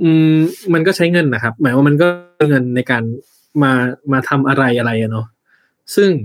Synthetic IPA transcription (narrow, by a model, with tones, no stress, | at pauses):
ʔɯː˧ma˧nkɔː˥˩t͡ɕʰa˦˥jŋɤ˧nːa˦˥kʰa˦˥p̚mɯ˩˦nwaː˧ma˧nk̬ɔː˥˩ŋɤ˧nːa˧jkaː˧n | maː˧maː˧t̪ʰa˧mʔa˧ɾa˧jʔa˧ɾa˧jʔa˨˧nɔ˦˥ | sɯ˥˩ŋ